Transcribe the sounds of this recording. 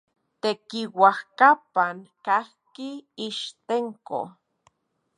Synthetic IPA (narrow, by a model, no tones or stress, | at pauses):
t̪ekiwahkapaŋkahkiiʃt̪eŋko̰